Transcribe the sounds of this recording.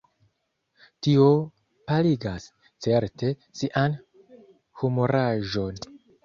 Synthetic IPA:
tio̞ | paliɡas | t͡se̞ɾte̞ | siʔan | humoɾaʒo̞n

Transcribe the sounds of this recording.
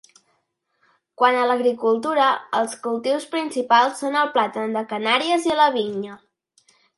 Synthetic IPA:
kwanələɣɾikulˠt̪uɾəəlˠskulˠt̪iwspɾinsipalˠsːonəlˠplat̪ənd̪əkənaɾiəziələβ̞iɲə

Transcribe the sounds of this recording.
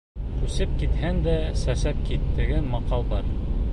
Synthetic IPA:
kʉsɘp̚kit̪hænd̪æsæsæp̚kit̪ːɘ̆ɡɘmɑqɑlˠbɑɾ

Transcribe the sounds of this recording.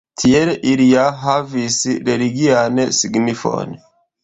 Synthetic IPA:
tʰielʔiliaɦavisɾeliɡiansiɡnifo̰n

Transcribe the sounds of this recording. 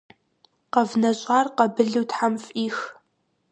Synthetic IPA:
qɐvnɐɕʼaːrqɐbɨɮɨwtħamfʼiːx

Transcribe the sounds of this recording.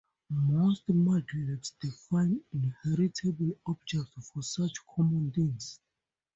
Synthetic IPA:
mostmaɡɹinsd̥ifãj̃nĩnhɛɹitʰɛbəlɔb̚d͡ʒɛk̚tfɔsat͡ʃkʰɔmɔ̃ntĩŋs

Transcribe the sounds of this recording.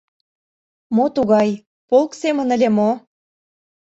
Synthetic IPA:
mot̪uɣɑj | polksemə̆nəlʲemo

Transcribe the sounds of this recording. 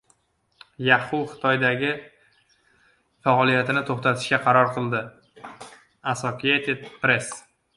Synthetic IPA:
jahʊwχɨ̥t̪ʰɒjd̪aɡʲɪ | faɒlˠijat̪ʰɪnɪt̪ʰoχt̪ʰat̪ʰɪ̥ʃkʲaqʰɑɾɒɾqʰɨlˠd̪ɪ | asosijat̪ʰed̪̚pɾe̞s

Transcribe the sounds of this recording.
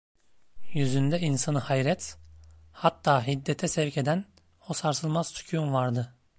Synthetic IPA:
jyzynd̪ɛinsanɯhajɾɛt̪ | hat̪ːaːɦid̪ːɛt̪ʰɛsɛvcʰe̞d̪æn | hosaɾsɯlˠmaz̥t̪ʰu̥cʰjumvaɾd̪ɯ

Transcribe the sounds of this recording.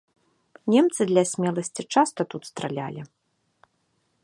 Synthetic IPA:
nʲɛmt̪sɨd̪lʲɐsʲmʲɛlˠɐsʲt͡sʲit͡ʂast̪ɐt̪ut̪st̪ɾalʲa̰lʲi

